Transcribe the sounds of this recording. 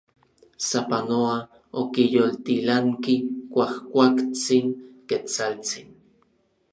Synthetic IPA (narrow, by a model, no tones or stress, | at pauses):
sapanoa | okijolt̪ilaŋkikʷahkʷakt͡siŋket͡salt͡sin